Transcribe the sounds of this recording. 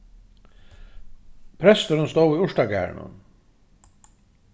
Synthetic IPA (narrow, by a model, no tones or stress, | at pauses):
pʰɾɛst̪əɾənst̪owiʊʂʈaɡæ̰ːɹɳə̰n